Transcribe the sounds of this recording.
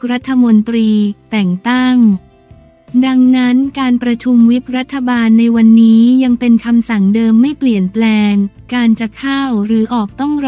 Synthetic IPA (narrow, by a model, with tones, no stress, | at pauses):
ɾa˦˥t̪ʰːa˧mo˧nt̪ɾiː˧t̪ɛ˨˩ŋt̪a˥˩ŋ | da˧ŋna˦˥nkaː˧npɾa˧t͡ɕʰu˧mwi˦˥p̚ɾa˦˥t̪ʰːa˧baː˧nːa˧jwa˧nːiː˦˥ja˧ŋpe˧nkʰa˧msa˨˩ŋdɤː˧mːa˥˩jpli˨˩ənplɛː˧ŋ | kaː˧nt͡ɕa˨˩kʰaː˥˩wɾɯː˩˦ʔɔː˨˩k̚t̪ɔ˥˩ŋ